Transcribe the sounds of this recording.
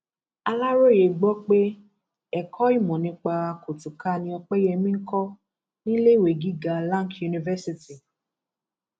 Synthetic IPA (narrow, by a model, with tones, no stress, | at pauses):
a˧la˦ɾo˦˨je˨ɡ͡bɔ˦k͡pe˦ | ɛ˨kʰɔ˦i˦˨mɔ̃˨nĩ˧˦k͡pa˧a˧kʰo˨tu˨ka˦˧nĩ˧ɔ˧k͡pe˦je˧mĩ˦kɔ˦ | nĩ˦le˦˨we˨ɡi˦ɡa˧lã˦kju˨˧nĩ˧vɛ˦si˧ti˨